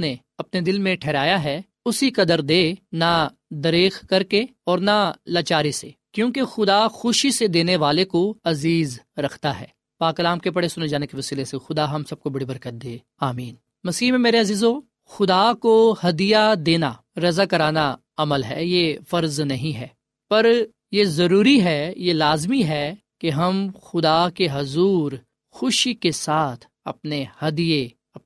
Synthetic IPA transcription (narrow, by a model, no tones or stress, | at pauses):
ne | ɐpned̪ɪlmẽʈʰɛːɾaːjaɦɛ | ʊsikɐd̪əɾd̪eːna | d̪ɐɾeːxkɐɾkeɔːɾnalaːt͡ʃaːɾisekjõːkexʊd̪axʊʃised̪eːneʋaːlekoɐziːzɾɐkʰt̪aɦɛ̰ː | paːkɐlaːmkepɐɽesʊned͡ʒaːnekeʋɐsiːlesexʊd̪aɦɐmsɐb̚kobɐɽibɐɾkət̪̚d̪eː | aːmiːn | mɐsiːɦmẽmeːɾeɐziːzɦoː | xʊd̪aːkohɐd̪ijad̪eːna | ɾɐzakɐɾaːna | ɐməlɦɛjefɐɾznɐɦĩɦɛː | pɐɾ | jezɐɾuːɾiɦɛjelaːzmiɦɛ | keɦɐmxʊd̪akeɦɐzuːɾ | xʊʃikesaːt̪ʰ | ɐ̰pnehɐd̪ije | ɐp